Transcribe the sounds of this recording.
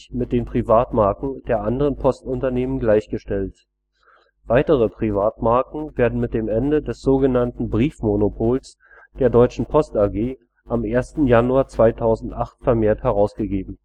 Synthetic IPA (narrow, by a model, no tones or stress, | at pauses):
mɪt̚d̥eːnpʁ̥ivaːtmaɐkŋ̩d̥eːɐʔandəʁənpʰɔstʊntɐneːmənɡlaɪçɡ̥əʃtɛlt | v̥aɪtəʁ̞əpʁ̥ivaːtmaɐkŋ̩veːɐdn̩mɪt̚d̥eːmʔɛndədɛsz̥oːɡənantn̩bʁiːfmonopʰoːls | d̥eːɐdɔʏt͡ʃn̩pʰɔstaɡeː | ʔamʔeːɐstn̩januaːɐt͡sv̥aɪtʰaʊzn̩tʔaχtfɛɐmeːɐthɛʁ̞aʊsɡ̥əɡeːbm̩